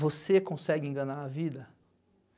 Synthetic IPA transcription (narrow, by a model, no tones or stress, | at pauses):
vosekõsɛɡɪẽŋɡɐnaɾɐvid̪ɐ